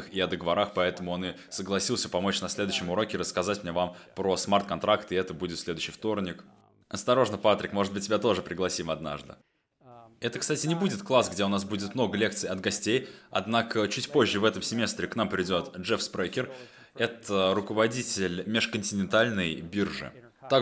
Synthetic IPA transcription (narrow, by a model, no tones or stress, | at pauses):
xiɐd̪əɡəvɐɾaxpɐɛt̪əmʊonɨ | səɡlˠɐsʲilˠsʲəpɐmo̞t͡ɕnɐsʲlʲed̪ʊɕːɪmʊɾo̞kʲɪɾəskɐzatʲmnʲevampɾosmart̪̚kɐnt̪ɾakt̪ɪɛt̪əbudʲɪt̪sʲlʲe̞d̪ʊɕːɪjft̪o̞rnʲɪk | ɐst̪ɐɾo̞ʐnəpat̪ɾʲɪkmo̞ʐɨt̪bɨt̚ʲtʲːɪbʲat̪o̞ʐɨpɾʲɪɡlˠɐsʲimɐd̪na̰ʐd̪ɨ̰ | ɛt̪əkst̪atʲɪnʲɪbudʲɪt̪klˠasɡdʲeʊnasbudʲɪt̪mnoɡəlʲe̞k̚t̪sɨjɐd̪ɡɐsʲtʲejɐ̰d̪nakət͡ɕutʲpo̞ʑːɪvɛt̪əmsʲɪmʲe̞st̪ɾʲɪkn̪ampɾʲɪdʲo̞t̪ʐɛfspɾɛkʲɪr | ɛt̪əɾʊkəvɐdʲitʲɪlʲmʲɪʂkənʲtʲɪnʲɪnt̪alʲnəjbʲirʐɨ̰ | t̪a